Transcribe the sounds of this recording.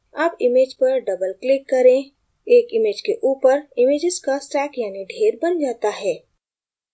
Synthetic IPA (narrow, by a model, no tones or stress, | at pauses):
aːpɪmeːd͡ʒpɐɾɖɐbəlklɪkːɐɾẽ | eːkɪmeːd͡ʒkeʔuːpəɾɪmeːd͡ʒɪzkasʈɛːkjaːniɖʱeːɾbɐnd͡ʒaːt̪aɦɛː